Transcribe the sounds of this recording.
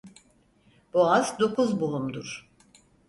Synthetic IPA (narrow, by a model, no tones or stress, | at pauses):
b̥uazd̪o̞kʰuzbulˠumd̪uɾ̥